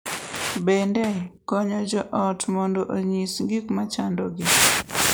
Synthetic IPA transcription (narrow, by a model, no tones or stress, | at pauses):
bendɛkɔɲɔd͡ʒɔʔɔtmɔndoʔoɲisŋɡikmat͡ʃandɔɡɪ